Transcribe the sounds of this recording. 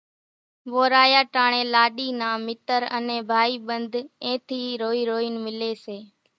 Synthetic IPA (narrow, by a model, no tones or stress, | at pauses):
ʋoːɾaːjaːʈaːɳẽːlaːɗiːnãːmɪt̪əɾənẽːbʱaːiːɓənd̪ʱẽːt̪ʰiːɾoːiːɾoːinmɪleːseː